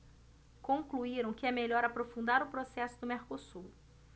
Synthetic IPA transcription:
kõŋkluiɾɐ̃w̃kɪɛmeʎɔɾapɾofũnd̪aɾʊpɾosɛsʊd̪ʊmeɾkosuɾ

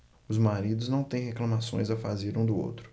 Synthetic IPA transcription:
ʊzmaɾid̪ʊznɐ̃w̃t̪ẽj̃heklɐ̃masõ̰j̃zɐfa̰zeɾũd̪ʊo̰wt̪ɾʊ̥

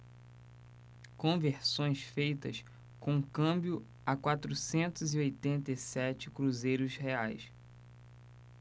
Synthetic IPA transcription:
kõveɾsõj̃sfejt̪ɐs | kõkɐ̃bjʊ | ɐkwat̪ɾusẽnt̪ʊziojt̪ẽnt̪esɛt͡ʃɪkɾuzejɾʊsheajs

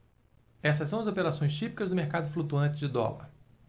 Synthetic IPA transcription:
ɛsɐsːɐ̃w̃ɐzopeɾasõj̃st͡ʃipi̥kɐzd̪ʊmeɾkad̪ʊflut̪uɐ̃t͡ʃɪd͡ʒɪd̪ɔ̰lɐ̰ɾ

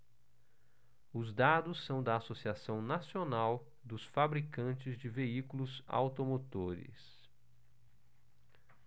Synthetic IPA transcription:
ʊzd̪ad̪ʊsːɐ̃w̃d̪ɐasosiasɐ̃w̃nasionaw | d̪ʊsfabɾikɐ̃t͡ʃɪzd͡ʒɪveikulʊza̰wt̪omot̪oɾɪ̰s

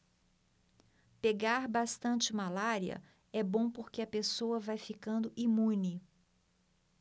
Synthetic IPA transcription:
peɡaɾbast̪ɐ̃nt͡ʃɪmalaɾiɐ̰ | ɛbõpoɾkeɐpesowɐvajfikɐ̃nd̪ʊʔimũnɪ

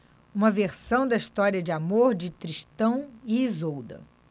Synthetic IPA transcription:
ũmɐveɾsɐ̃w̃d̪ɐiʃt̪ɔɾiɐd͡ʒɪamoɾd͡ʒɪt̪ɾiʃt̪ɐ̃w̃iizowd̪ɐ̰

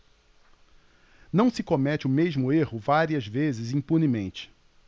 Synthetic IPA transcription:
nɐ̃w̃sɪkomɛt͡ʃɪʊmeʒmʊehʊvaɾiɐzvezɪzĩpunimẽnt͡ʃɪ̥

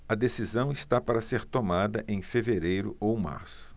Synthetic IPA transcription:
ɐd̪esizɐ̃w̃ist̪apaɾɐseɾt̪omad̪ɐʔẽj̃feveɾejɾʊʔowma̰ɾsʊ̥

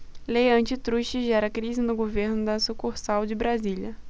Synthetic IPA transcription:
lejɐ̃nt͡ʃɪt̪ɾuʃɪʒɛɾɐkɾizɪnʊɡoveɾnʊd̪ɐsukuɾsawd͡ʒɪbɾazilɐ

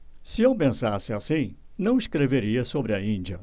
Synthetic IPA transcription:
sɪewpẽsasɪasĩ | nɐ̃w̃ɪskɾeveɾiɐsobɾɪɐĩd͡ʒiɐ

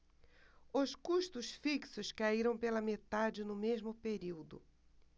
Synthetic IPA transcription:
ʊskuʃt̪ʊsfiksʊskaiɾɐ̃w̃pelɐmet̪ad͡ʒɪnʊmezmʊpeɾiwd̪ʊ̰

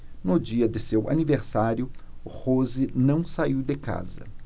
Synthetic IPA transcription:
nʊd͡ʒiɐd̪ɪsewa̰niveɾsaɾjʊhozɪnɐ̃w̃saiwd̪ɪka̰zɐ̰

